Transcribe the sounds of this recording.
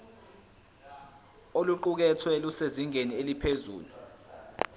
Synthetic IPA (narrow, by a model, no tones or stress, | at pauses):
oluǃuk̬ɛtʰwɛluseziŋenielipʰezṵːlu